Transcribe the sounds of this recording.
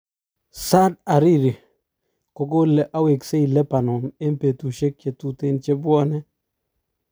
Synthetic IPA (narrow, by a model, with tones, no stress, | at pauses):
sa˦d̚a˨ɾi˦ɾi˨ | ko˦ko˦lʔa˦we˨kse˦i˨lɛ˦pa˨nɔ˨me˦mpe˨t̪u˨ʃe˦kt͡ʃe˨t̪u˨t̪e˦nt͡ʃe˦bwɔ˦nɛ˦